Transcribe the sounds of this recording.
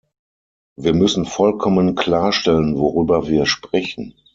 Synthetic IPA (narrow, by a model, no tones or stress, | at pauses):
viːɐmʏsn̩fɔlkʰɔmənkl̥aːɐʃtɛlənvoʁyːbɐviːɐʃpʁ̥ɛçn̩